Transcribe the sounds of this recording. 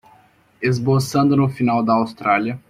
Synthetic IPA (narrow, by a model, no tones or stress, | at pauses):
ezbosɐ̃nd̪ʊnʊfinawd̪ɐːwst̪ɾaliɐ